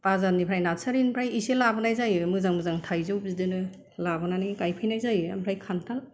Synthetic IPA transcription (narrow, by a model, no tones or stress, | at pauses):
pazanipʰɾajnatsaɾinpʰɾajiselabɯnajzajɯmɯzaŋmɯzaŋtʰajzɯw̚zidɯnɯ | labɯnaniɡkajpʰɯjnajzajɯa̰mpʰɾajkʰantʰal